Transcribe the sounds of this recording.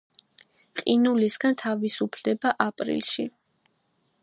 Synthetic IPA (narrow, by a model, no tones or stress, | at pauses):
qʼinulisɡant̪ʰavisupʰlɛbaʔapʼɾḭlˠʃi